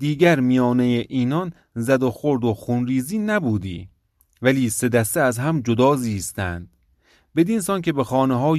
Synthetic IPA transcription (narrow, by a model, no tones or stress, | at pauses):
d̪iːɡæɾmijɒːnejeʔiːnɒn | zæd̪oxoɾd̪oxunɾiːziːnæbuːd̪ḭː | væliːse̞d̪æst̪eæzɦæmd͡ʒod̪ɒːziːst̪ænd̪̥ | be̞d̪insɒnkʲʰe̞bexɒːneɦɒː